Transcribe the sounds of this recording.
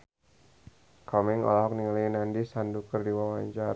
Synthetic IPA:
kʰɔmɪŋɔ̰laɦɔk̚niŋalinandisandukərdiwawaɲt͡ʃaɾ

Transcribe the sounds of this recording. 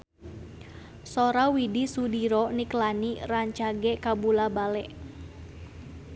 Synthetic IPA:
sɔɾawidisudiɾɔniklaniraɲt͡ʃaɡɛkabulabalɛʔ

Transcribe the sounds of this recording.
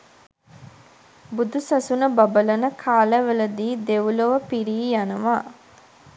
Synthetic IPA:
bud̪usɐsunəbɐbələnəkʰaːləʋələd̪iːd̪eʋuloʋəpiɾiːjanəʋaː

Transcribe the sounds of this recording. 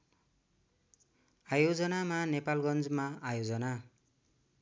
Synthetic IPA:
ajod͡zʌnamanepalɡʌnd͡zmaajod͡zʌna

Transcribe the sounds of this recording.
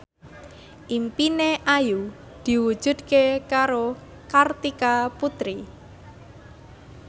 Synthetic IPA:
ʔimpineʔaju | d̪̥i̤wud̥ʒ̥ṳd̪̚kekaɾo | kart̪ikaput̪ɾi

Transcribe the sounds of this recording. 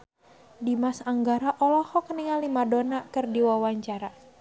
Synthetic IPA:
dimasaŋɡaɾaʔɔlɔhɔkniŋalimadonakɨrdiwawaɲt͡ʃaɾa

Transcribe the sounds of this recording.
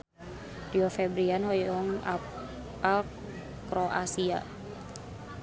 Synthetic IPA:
d̥iɔfɛbɾianhɔjɔŋa̰ | al | kɾɔʔasia̰

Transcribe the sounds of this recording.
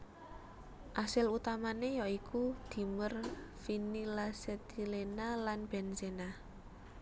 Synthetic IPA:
ʔasɪlut̪amanejɔikʰud̪̥i̤mərfinilaset̪ilenalanb̥ɛ̤nsena

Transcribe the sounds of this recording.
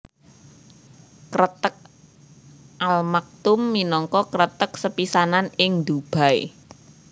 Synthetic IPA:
kɾət̪ək̚ | ʔalmak̚t̪ʊmːinɔŋkɔkɾət̪ək̚səpisananɪŋd̪ub̥a̤j̰

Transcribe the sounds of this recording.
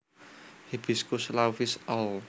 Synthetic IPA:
hib̥iskuslawfisɔl

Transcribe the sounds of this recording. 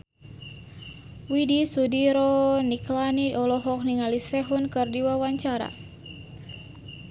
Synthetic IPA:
widisudiɾɔniklaniɔlɔɦɔk̚niŋalisɛɦunkɨrdiwawaɲt͡ʃaɾa̰

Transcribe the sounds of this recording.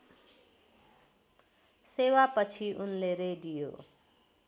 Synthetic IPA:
sewapʌt͡sʰiʔunleɾeɖijo̰

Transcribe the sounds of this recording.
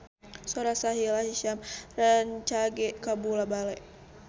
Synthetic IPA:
sɔɾasaɦilahiʃamraɲt͡ʃaɡɛkabulabalɛ

